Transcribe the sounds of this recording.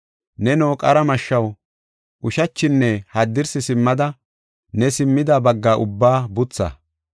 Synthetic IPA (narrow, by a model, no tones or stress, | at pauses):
nɛnoːkʼɐɾɐmɐʃːɐw | ʔʊʃɐt͡ʃːɪnːɛhɐd̪ːɪɾsɪsɪmːɐd̪ɐ | nɛsɪmːɪd̪ɐbɐɡːaːʔʊbːaːbʊt͡sːɐ̰